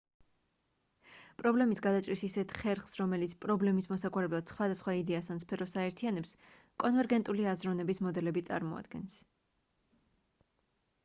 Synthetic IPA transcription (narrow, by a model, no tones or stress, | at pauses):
pʼɾɔblɛmisɡad̪at͡ʃʼɾisisɛt̪ʰχɛɾχsɾɔmɛlit̪sʰpʼɾɔblɛmismɔsakʼwaɾɛblˠad̪̥sχwad̪asχwaid̪ɛasanspʰɛɾɔsaɛɾt̪ʰianɛps | kʼɔnvɛɾɡɛnt̪ʼuliazɾɔnɛbismɔd̪ɛlɛbit̪sʼa̰ɾmɔa̰d̪̥̚ɡɛ̰ns